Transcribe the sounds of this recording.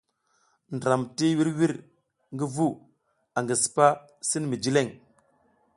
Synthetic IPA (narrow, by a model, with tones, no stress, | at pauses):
ndɾa˨mti˦wi˦ɾwi˦ɾ | ŋɡi˦vu˦ | a˨ŋɡi˨si̥˨pa˦ | si˦nmi˨d͡ʒi˦le˦˨ŋ